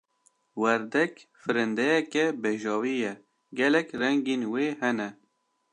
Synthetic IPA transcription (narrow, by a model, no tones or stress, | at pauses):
wɛɾd̪ɛkfɨɾɨnd̪ɛjɛkɛbeʒɑːwiːjɛ | ɡɛlɛkrɛŋɡeːnweːhɛnɛ